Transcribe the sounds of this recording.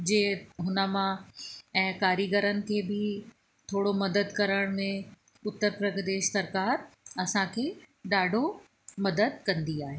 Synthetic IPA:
d͡ʑeːɦʊnəmãɛ̃ːkaːɾiɡəɾənɪ̆kʰeːbɪ | t̪ʰoːɽomɐd̪əd̪kɐɾəɽ̃mẽ | ʊt̪ːəɾpɾɐɡd̪eːʃsɐɾkaːɾɐsãkʰeː | ɗaːɖʱo | mɐd̪əd̪̚kɐ̃nd̪iaːɦeː

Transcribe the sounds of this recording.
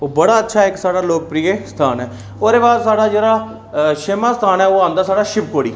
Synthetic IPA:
oːbəɽaːətːʃʰaːɛɪksaːɽaːloːk̚pɾiːeːsə̥t̪ʰaːnɛː | oːd̪eːbaːd̪saːɽaːd͡ʒeːɾaː | ʃeːmaːsət̪ʰaːnɛːoːãːnd̪aːsaːɽaːʃɪpkoːɽiː

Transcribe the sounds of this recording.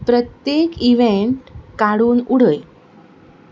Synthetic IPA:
pɾət̪jekiʋeɳʈkaɽuːnuɽəj

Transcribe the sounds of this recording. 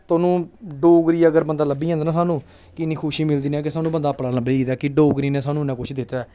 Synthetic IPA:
t̪oːnũːɖoːɡɾiːəɡəɾbənd̪aːləbiːɦãnd̪naːsaːnũː | kɪnːĩːkʰʊʃiːmɪld̪iːnɛ̃ːk̬ɪsaːnũːbənd̪aːpəɽaːləbiːiːd̪aːkɪɖoːɡɾiːnẽːsaːnũːnãːkʊt͡ʃʰd̪ɪt̪aː

